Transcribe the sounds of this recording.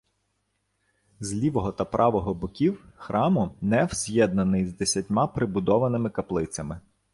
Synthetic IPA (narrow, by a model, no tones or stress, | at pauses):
zʲlʲiʋɔɦɔt̪ɐpɾʔɑʋɔɦɔbɔkʲiwxɾʔɑmʊnɛwz̥ʲjɛd̪̚nɐnɪjzd̪esʲɐtʲmɑpɾɪbʊd̪ɔʋɐnɪmɪkɐplˠɪt̪sʲɐmɪ